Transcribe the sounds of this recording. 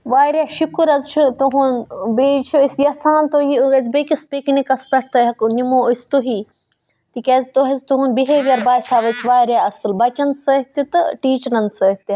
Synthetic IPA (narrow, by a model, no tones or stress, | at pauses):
ʋaːjɾʲjaːʃukuɾɐzt͡ʃʰut̪oɦunbeːt͡ʃʰuisjɐsaːnt̪oɦiuɡɐzʲbekʲispiːknikɐspɐʈʰt̪ɐɦɐknimoːust̪oɦi | t̪ikʲɐːzt̪oɦɐzʲt̪uɦunbiɦeːʋiɐɾbaːsʲaːʋɐt͡sʰʋaːjɾjaːɐsɨlbɐt͡ʃɐnsɐɦt̪it̪ɨʈiːt͡ʃɾɐnsəɦt̪i